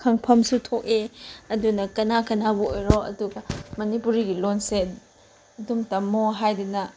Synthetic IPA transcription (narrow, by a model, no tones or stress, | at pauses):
kʰaŋpʰɐmsutʰokeɐdunɐkɐnakɐnabuojɾoʔɐ̰duɡɐmɐnipuɾiɡilonse | dumtɐmːoɦajdunɐ